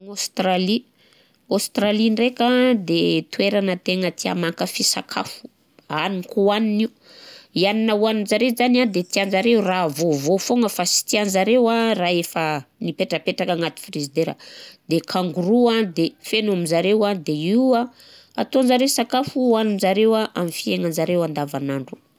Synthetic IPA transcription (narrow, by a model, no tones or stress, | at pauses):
ŋost̪ɾali | ost̪ɾalinrekad̪et̪ueɾanət̪eŋət̪ia̰makəfisa̰kʰa̰fu̥ | anikuaniniu | ianinawaninzaɾeizanad̪et̪ianzaɾeuravovofoŋəfasi̥t̪ianzaɾewaraːefənipeʈ͡ʂəpeʈ͡ʂakaŋat̪i̥firizid̪eɾə̰d̪ekʰaŋɡuɾuad̪efenuamizaɾewad̪eiwa | at̪oanzaɾesakafuaninzaɾewaʔa̰mifieŋənzaɾewand̪avanaɳɖ͡ʐu̥